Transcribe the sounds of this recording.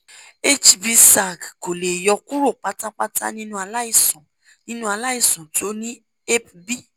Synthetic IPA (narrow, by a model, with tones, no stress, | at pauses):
e˦t͡ʃbi˧sa˨ɡko˨le˨jɔ˧ku˦ɾo˦˨k͡pa˧ta˦k͡pa˦ta̰˦nĩ˦nũ˦a˧la˦i˦˨sɔ̃˨ | nĩ˦nũ˦a˧la˦i˦˨sɔ̃˨to˦nĩ˦ | e˦pbi˦